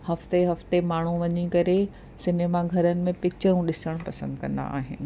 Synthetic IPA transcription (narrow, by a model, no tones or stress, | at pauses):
hɐft̪eɦɐft̪emaːɳ̤ũʋɐɲikɐɾe | sɪneːmaɡʱɐɾənɪ̆mẽpɪk̚t͡ɕəɾũɗɪsəɽ̃pɐsə̃nd̪kɐ̃nd̪a̰a̰ːɦɪnɪ̆